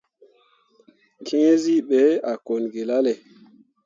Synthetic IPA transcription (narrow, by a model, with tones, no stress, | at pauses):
kʰe˦zi˦ɓɛ˨˦a˨ko˨nɡe˨la˦lɛ˨